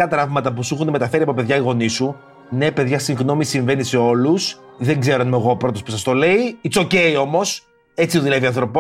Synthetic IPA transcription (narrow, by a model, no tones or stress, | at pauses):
ɐt̪ɾɐvmɐt̪ɐp̬usuxunme̞t̪ɐfe̞ɾiɐpo̞pe̞ðʝɐiɣo̞nisu | ne̞pe̞ðʝɐsiŋɣno̞misiɱve̞nise̞o̞lus | ðeŋɡze̞ɾonmeɣo̞ːpɾo̞t̪o̞spusɐst̪o̞le̞iit͡so̞ce̞io̞mo̞s | et͡siuðilɐðiɐnθɾo̞po